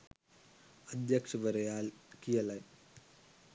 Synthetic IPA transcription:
ɐd̪jɐkʂɐʋɐɾɐjaːlkijɐlɐj

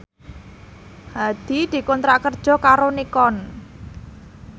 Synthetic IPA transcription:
had̪̥i̤d̪̥i̤kɔnt̪ɾakərd̥ʒ̥ɔ̤kaɾonikɔn

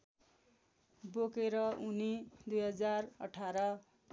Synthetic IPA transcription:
bokeɾʌunid̪ujɦʌd͡zarʌ̰ʈʰaɾʌ

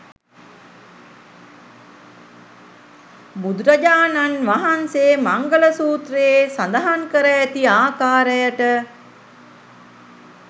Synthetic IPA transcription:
bud̪ɾəd͡ʒaːnanʋaɦanseːmaŋɡələsuːt̪ɾeesand̪aɦaŋkəɾəæt̪iaːkaːɾəjəʈə

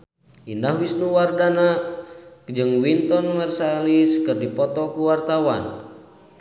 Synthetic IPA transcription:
ʔindahwisnuwardana | d͡ʒɨŋwint̪ɔnmɛrsaliskɨrdipɔt̪ɔkuwart̪awa̰n

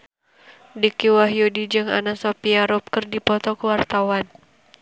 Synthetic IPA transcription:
dikiwaɦjudid͡ʒɨŋa̰nasɔpiaɾɔp̚kərdipɔt̪ɔkəwart̪awan

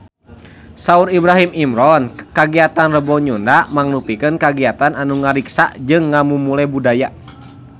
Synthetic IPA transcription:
sauɾibɾaɦimimɾɔnkaɡiat̪anrəbɔɲundamaŋlupikənkaɡiat̪ananuŋaɾiksa̰ʔd͡ʒɨŋːamumulɛbudaja

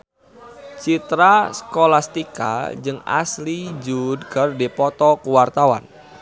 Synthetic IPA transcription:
t͡ʃit̪ɾaskolast̪ika̰d͡ʒɨŋa̰slid͡ʒudkərdipɔt̪ɔkuwart̪awa̰n

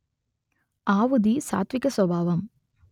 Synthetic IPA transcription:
aːʋud̪isa̰ːt̪ʋikɐswɐbʱaːʋɐm

